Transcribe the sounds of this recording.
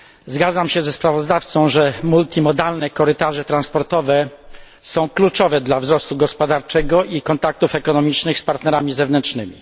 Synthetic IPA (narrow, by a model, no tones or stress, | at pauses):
zɡad̪zamɕɛzɛspɾavɔzd̪aft̪sɔ̃w̃ʐɛmult̪ʲimɔd̪alnɛkɔɾɘt̪aʐɛt̪ɾãnspɔɾt̪ɔvɛ | sɔ̃w̃klut͡ʂɔvɛd̪lavzɾɔst̪uɡɔspɔd̪aɾt͡ʂɛɡɔʔikɔnt̪ak̚t̪ufɛkɔnɔmʲit͡ʂnɘxspaɾt̪nɛɾamʲizɛvnɛnt͡ʂnɘmʲḭ